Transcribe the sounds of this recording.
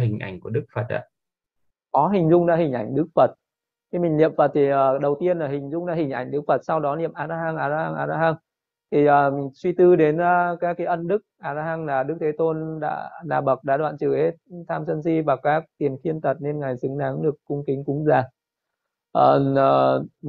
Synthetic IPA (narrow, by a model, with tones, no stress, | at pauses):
ɦï˨˩ŋ̟ʔa̰˧˩jŋ̟ku˧˩əɗɨ˦˥k̚fə˨˩t̚a̰ː˧˨ | kɔ˨˦ɦï˨˩ŋ̟zʊ˧ŋ͡mɗa̰ː˧˥hï˨˩ŋ̟ʔa˧˩jŋ̟ɗɨ˦˥k̚fə˨˩t̚ | xi˧mï˨˩ŋ̟lḭ˧˨əmfə˨˩t̚t̪ʰi˨˩ʔəː˨˩ɗə˨˩wt̪i˧ənlaː˨˩ɦï˨˩ŋ̟zʊ˧ŋ͡mɗa̰ː˧˥hï˨˩ŋ̟ʔa˧˩jŋ̟ɗɨ˦˥k̚fə˨˩t̚sa˧wɗɔ˨˦nḭ˧˨əmʔaː˧˩zaː˧˥haː˧ŋʔaː˨˧˩za˧ha˧ŋʔaː˨˧˩zaː˧ha˧ŋ | t̪ʰi˨˩ʔəː˨˩swi˧t̪ɨ˧ɗe˨˦nəː˨˧kaː˨˦˥kːa˨˦ʔə˧nɗɨ˦˥k̚ʔaː˧˩za˧ha˧ŋlaː˨˩ɗɨ˦˥k̚t̪ʰe˨˦t̪o˧nɗa̰ː˧˥naː˨˩ɓə˨˩k̚ɗa̰ː˧˥ɗwa̰ː˧˨nt͡ɕɨ˧˩he˦˥t̚t̪ʰaː˧msə˧nsi˧vaː˨˩kaː˦˥k̚t̪i˨˩ənxi˧ənt̪ə˨˩t̚ne˧nŋa˨˩jsɨ˨˦ŋɗaː˨˦ŋɗɨ˨˩əkːʊ˧ŋ͡mkï˨˦ŋkʊ˨˦ŋ͡mzaː˨˩ | ʔəː˨˩˨ʔəː˨˩